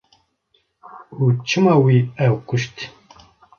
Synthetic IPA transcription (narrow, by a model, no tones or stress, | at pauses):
ut͡ʃʰɨmɑːwiːɛwkʊʃt̪